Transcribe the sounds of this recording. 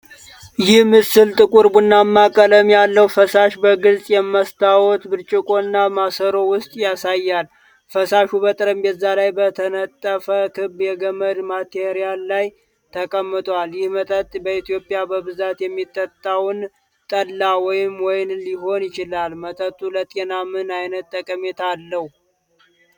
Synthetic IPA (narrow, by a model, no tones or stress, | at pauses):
jɪhmɨsɨlt̪ʼɨkʼuɾbɨnːamːakʼələmjalːəwfəsaʃbəɡɨlsʼjɛmːəst̪ʰawɔt̪ɡɨɾt͡ʃʼɪkʼo̞nːamasəɾo̞wʊst̪ʼjasajːal | fəsaʃubət̪ʼɾəmbɛzːalajbət̪ʰənət̪ʼːəfəkʰɨbjɛɡəməd̪mat̪ʰeɾijalːaj | t̪ʰəkʼəmːɨt̪ʼwaljɪhmət̪ʼət̪ʼbəit̪ʰijo̞pʼijabəbɨzat̪jɛmːit̪ʼːət̪ʼːawn | t̪ʼəlːawɔjɪmwɔjɪnliɦo̞njɪt͡ʃɪlalmət̪ʼət̪ʼːulət̪ʼe̞namɨnajnət̪ʼːəkʼəmet̪ʰalːəhu